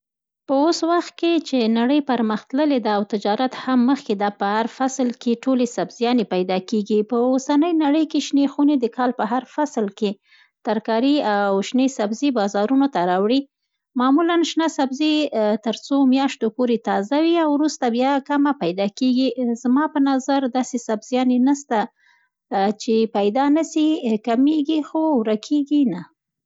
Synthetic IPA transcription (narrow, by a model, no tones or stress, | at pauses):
pəoswaxt̪̚ket͡ʃenaɽəjpaɾməxt̪ləled̪aːwt̪ɪd͡ʒɑɾat̪hamːəxked̪apəhaɾfaslkeʈolesabz̥jɑnepajd̪ɑkeɡipəosanəjnaɽəjkeʃnexuned̪əkɑlpəɦaɾfaslke | t̪aɾkɑɾiawʃnesabzibɑzɑɾunot̪aɾɑwɽi | mɑmulanʃnɑsabzet̪əɾt͡somjɑʃt̪opoɾet̪ɑzawiawɾust̪abjɑkamapajd̪ɑkeɡizmɑpənazaɾd̪ɑsesabzjɑnenast̪a | t͡ʃepajd̪ɑnasikameɡixowɾakʰeɡina